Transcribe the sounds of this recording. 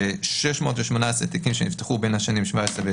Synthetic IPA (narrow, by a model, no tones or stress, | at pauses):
eʃɛʃmo̞ːtveʃmo̞naset̪ikimʃenift̪eχubenaʃanimʃvaesʁeve